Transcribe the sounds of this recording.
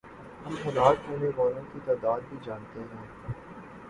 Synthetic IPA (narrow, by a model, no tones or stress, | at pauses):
jixɐlaːt̪kuːneʋaːlõkit̪aːd̪aːd̪̚bʱid͡ʒaːnt̪eɦɛ̃ː